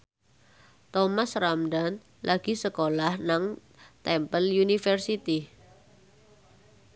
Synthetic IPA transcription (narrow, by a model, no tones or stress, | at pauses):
t̪ɔmasramdan | lʔaɡ̥i̤səkolahnaŋ | t̪ɛmpəljunifərsit̪i